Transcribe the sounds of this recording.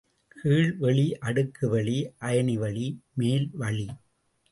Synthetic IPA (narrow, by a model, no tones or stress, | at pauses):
kʰiːɭʋɛɭiʔɐɽɯkːɯʋɛɭiʔɐjɐniʋɐɭimeːlʋɐɭi